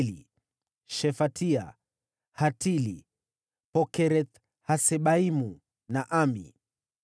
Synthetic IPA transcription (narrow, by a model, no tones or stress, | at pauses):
li | ʃɛfatʰia̰ | hatili | pɔkɛɾɛt̪ | hasɛɓaimu | naʔamḭ